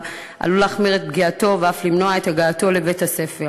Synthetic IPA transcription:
ʔa̰lulaχmiʁet̪̚bɡiato̞veaflimnoae̞t̪haɡaːt̪o̞lebethase̞fe

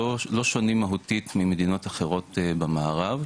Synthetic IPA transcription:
olo̞ʃonimːaɦut̪it̪mimed̪ino̞t̪aχeʁo̞t̪bamaːʁav

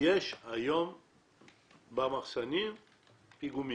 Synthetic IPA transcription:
jeʃajom | bamaχsanim | piɡumi

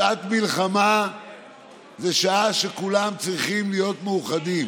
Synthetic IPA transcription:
at̪milχama | zeʃaaʃekulamt͡sʁiχimlijo̞t̪meuχad̪im

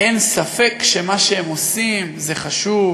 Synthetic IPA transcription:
ensafekʃemaʃeemosimzeχaʃuv

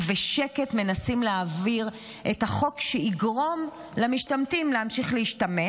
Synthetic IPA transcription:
veʃeke̞tme̞nasimleaviʁʔethaχo̞kʃeiɡʁo̞m | lamiʃtamtimleamʃiχleiʃtame

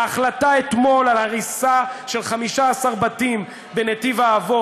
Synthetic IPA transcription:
aχlataet̪mo̞lalhaʁisaʃelχamiʃaːsaʁbatim | benet̪ivaːvo

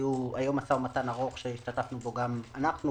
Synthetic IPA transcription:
juajo̞masamat̪anaʁo̞χʃeiʃt̪atafnubo̞ɡamanaχnu

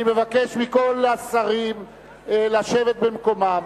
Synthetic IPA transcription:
ime̞vakeʃmiko̞lasaʁim | laʃe̞vet̪̚bemko̞ma

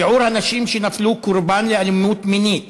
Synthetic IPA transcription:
ʊʕuːɾhanaʃiːmʃɪnafluːkʊɾbaːnlɪʔalmuːt̪mɪniːt̪

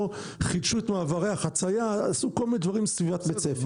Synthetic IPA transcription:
χid̪ʃuet̪maːvaʁeaχat͡sajaːsukolmined̪vaʁimsvivat̪bet͡sefe

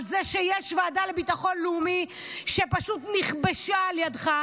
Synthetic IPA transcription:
zeʃejɛʃvaːdalebitaχo̞nlɛumi | ʃepaʃutniχbeʃaːljadχa

